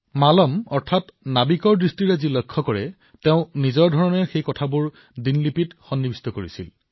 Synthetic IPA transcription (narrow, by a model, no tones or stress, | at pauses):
malɔmɔɹtʰatnabikɔɹdɹistiɹazilɔjkʰːɔkɔɹɛ | teʊ̃nizɔɹdʱɔɹɔnɛɹxejkɔtʰabʊɹ | dinlipitxɔnːibistɔkoɹisḭl